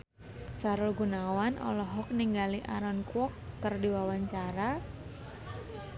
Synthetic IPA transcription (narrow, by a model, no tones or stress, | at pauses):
saɾʊlɡunawanʔɔ̰lɔɦɔk̚niŋɡaliʔaɾɔnkwɔkːərdiwawaɲt͡ʃaɾa